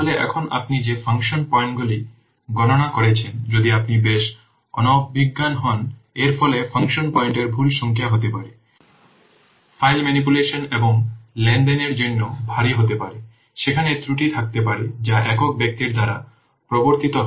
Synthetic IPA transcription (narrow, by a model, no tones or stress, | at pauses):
leʔɛ̰kʰona̰pnid͡ʑefʰaŋʃonpɔeɳʈɡuli | ɡɔnonakoɾet͡ɕʰend͡ʑod̪iapnibeʃ | ɔ̰nobʱiɡːanɦɔneɾfɔlefʰaŋʃonpɔjɳʈeɾbʱulʃɔŋkʰejaɦot̪epaɾe | fʰajlmɛnip̬uleʃoneboŋlɛnɖeneɾd͡ʑonːobʱaɾiɦot̪epaɾe | ʃekʰanet̪ɾuʈit̪ʰak̚t̪epaɾed͡ʑaʔɛkok̚bek̚t̪iɾd̪aɾa | pɾɔboɾt̪it̪o